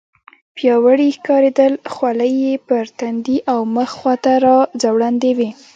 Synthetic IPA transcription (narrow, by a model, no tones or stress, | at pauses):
pjɑwəɽixkɑɾed̪əlxwaləjːepəɾt̪and̪iʔawməxxwat̪aɾɑd͡zawɽand̪ewi